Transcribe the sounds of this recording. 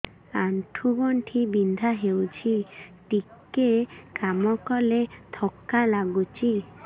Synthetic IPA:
aɳʈʰuɡɔɳʈʰibind̪ʱaɦewt͡ʃʰiʈikekamɔkɔlet̪ʰɔkːalaɡut͡ʃʰi

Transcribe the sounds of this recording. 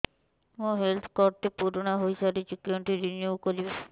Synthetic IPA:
mũɦelt̪ʰkɔɾʈʈepuɾɔɽ̃ɔɦojsaɾid͡ʒukjoɳʈiɾinjukɔɾibe

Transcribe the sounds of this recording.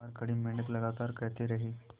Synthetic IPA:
aɾkəɽiːmiɳət̪ləɡat̪aɾkət̪eɾəɦiː

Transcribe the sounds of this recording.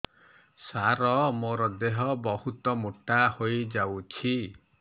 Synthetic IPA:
saɾɔmoɾɔd̪eɦɔbɔhut̪ɔmuʈahojd͡ʒawt͡ʃʰi

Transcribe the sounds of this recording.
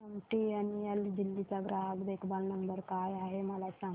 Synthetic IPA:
əmʈianield̪ilːit͡saɡɾaɡd̪ekbalnəmbəɾkajaɦeməlasãŋ

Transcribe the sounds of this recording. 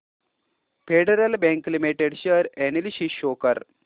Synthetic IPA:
feɖɐɾɐlbeŋklimiʈeɖɕɐɾenilɕiʃoːkɐɾ

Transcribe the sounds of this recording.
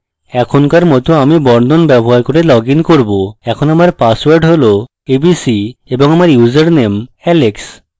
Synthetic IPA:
ɛkʰonkaɾmɔt̪oamibɔɾd̪ʱonbɛboɦaɾkoɾelɔɡinkoɾboɛkʰonamaɾpaswaɾɖɦolo | ebisieboŋamaɾjuzaɾnemɛleks

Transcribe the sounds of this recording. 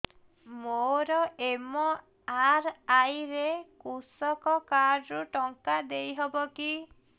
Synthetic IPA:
moɾɔemɔ | aɾajɾekusɔkɔkaɾːuʈɔŋkad̪ejɦɔbɔki

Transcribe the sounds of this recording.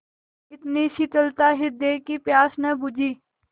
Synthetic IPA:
ɪt̪niʃit̪əlt̪aːɦɪd̪ekipjaːsnəbʊd͡ʒiː

